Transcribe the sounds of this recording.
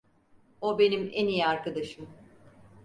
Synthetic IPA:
o̞be̞nimenijiaɾkad̪aʃɯm

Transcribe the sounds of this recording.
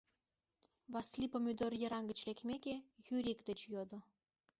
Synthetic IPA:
βɑslʲipomyd̪ørjə̆ɾɑŋɡə̆t͡ɕlʲekmʲekejyɾʲikd̪ə̆t͡ɕjod̪ŏ

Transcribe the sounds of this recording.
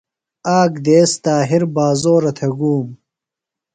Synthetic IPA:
aːkd̪eːst̪aːɦiɾbaːzoːɾɐt̪ʰɐɡuːm

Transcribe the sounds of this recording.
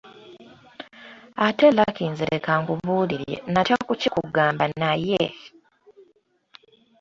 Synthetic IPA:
atelakiːnziɾʔekaŋɡuβuːliɾjḛnatjakucikuɡaːmbannaje

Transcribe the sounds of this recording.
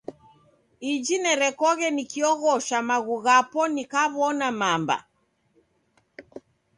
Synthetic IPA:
id͡ʒinɛɾɛkɔɣɛnikiɔɣɔʃamaɣuɣapɔnikaβɔnamamba̰

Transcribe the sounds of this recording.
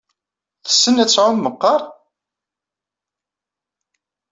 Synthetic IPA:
θə̥sːənæt͡sːʕʊnməqːɑɾˤ

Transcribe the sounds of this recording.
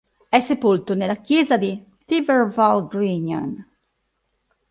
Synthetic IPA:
ɛsːepolt̪onelːakjɛːzad̪i | t̪ivervɔlɡɾiɲo̰n

